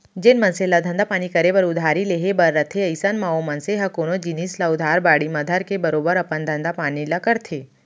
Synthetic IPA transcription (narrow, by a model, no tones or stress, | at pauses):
d͡ʒenmənselad̪ʱənd̪ʱapaɽ̃ikəɾebəɾʊd̪ʱaɾileɦebəɾːət̪ʰeəjsanmaomɐnseɦakoñod͡ʒinislaʊd̪ʱaɾbaɽiməd̪ʱəɾkebəɾobəɾɐpənd̪ʱə̃nd̪apañilakəɾt̪ʰe